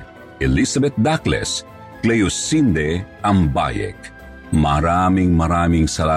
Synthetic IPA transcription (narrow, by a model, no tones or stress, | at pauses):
elisabet̪̚d̪aklḛs | klejusind̪eamba̰jḛk | maɾamiŋmaɾamiŋsɐla